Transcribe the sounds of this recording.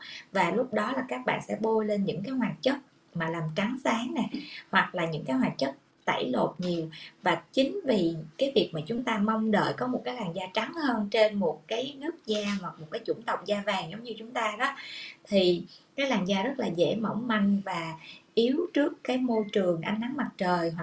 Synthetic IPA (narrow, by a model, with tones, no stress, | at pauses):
vaː˨˩lʊ˦˥k͡p̚ɗɔ˨˦laː˨˩kaː˦˥k̚ɓa̰ː˧˨nsɛ̰˧˥ɓo˧jle˧nɲɨ̰˧˥ŋkaː˨˦jɦwaː˨˩t̚t͡ɕə˦˥t̚ | maː˨˩laː˨˩mt͡ɕa˨˦ŋsaː˨˦ŋnɛ˨˩hwa˨˩k̚laː˨˩ɲɨ̰˧˥ŋkaː˨˦jɦwaː˨˩t̚t͡ɕə˦˥t̚ | t̪a̰˧˩jlo˨˩t̚ɲi˨˩əwvaː˨˩t͡ɕï˨˦ŋ̟vi˨˩kaː˨˦jvi˨˩ək̚maː˨˩t͡ɕʊ˨˦ŋ͡mt̪aː˧mɔ˧wŋ͡mɗə̰ː˧˨jkɔ˨˦mo˨˩t̚kaː˨˦jlaː˨˩ŋzaː˧t͡ɕa˨˦ŋhəː˧nt͡ɕe˧nmo˨˩t̚kaː˨˦jnɨ˦˥ək̚zaː˧hwa˨˩mo˨˩t̚kaː˨˦jt͡ɕʊ̰˧˩ŋ͡mt̪ə˨˩wk͡p̚zaː˧vaː˨˩ŋzə˨˦wŋ͡mɲɨ˧t͡ɕʊ˨˦ŋ͡mt̪aː˧ɗɔ˨˦t̪ʰi˨˩kaː˨˦jlaː˨˩ŋzaː˧zə˦˥t̚laː˨˩zḛ˧˥mə̰˧˩wŋ͡mma˧jŋ̟vaː˨˩ʔi˨˦əwt͡ɕɨ˦˥əkːaː˨˦jmo˧jt͡ɕɨ˨˩əŋʔa˧jŋ̟na˨˦ŋma˨˩t̚t͡ɕəː˨˩jɦwa˨˩